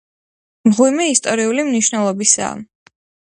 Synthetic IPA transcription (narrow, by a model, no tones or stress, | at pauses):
mʁwimɛist̪ʼɔɾiulimniʃnɛlˠɔbisa̰ː